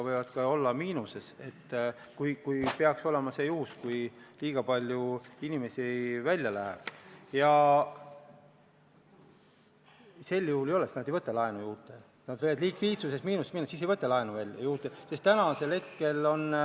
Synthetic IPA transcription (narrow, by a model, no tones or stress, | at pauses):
ɑvɤjvɑd̪̥kɑo̞lːɑmiːnuse̞se̞t̪ː | kujkujpeɑkso̞le̞mɑse̞ːjuhuskujliːɡ̥ɑpɑlʲjuinime̞sivælʲjɑlæɦḛb̥jɑ | se̞lːjuhulejo̞lese̥t̪nɑd̪e̞jvɤt̪ːˑɑlɑenujuːt̪ːˑe̞ | nɑd̪̥vevɑd̪likviːt̪susesmiːnusemiːnːusisejvɤt̪ːˑɑlɑenuvælʲːjuːt̪ˑːesest̪ːænɑse̞lhe̞t̪̚ke̞lo̞n